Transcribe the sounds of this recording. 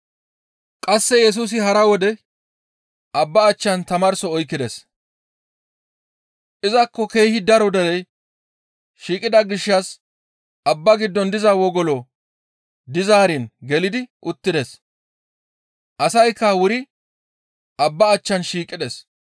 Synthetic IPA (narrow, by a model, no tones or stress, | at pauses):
kʼɐsːɛjɛs̬uːs̬ɪhɐɾɐwɔd̪ɛ | ʔɐbːɐːt͡ʃːɐnt̪ɐmɐɾsɔɔjkːɪd̪ɛs | ʔɪzɐkːɔke̞ːhɪd̪ɐɾɔd̪ɛɾɛj | ʃiːkʼɪd̪ɐɡɪʃːɐs | ʔɐbːɐɡɪd̪ːɔnd̪ɪzɐwɔɡɔlɔ | d̪ɪzaːɾɪnɡɛlɪd̪ɪʔʊt̪ːɪd̪ɛs | ʔɐsɐjkːɐwʊɾɪ | ʔɐbːɐːt͡ʃːɐnʃiːkʼɪd̪ɛs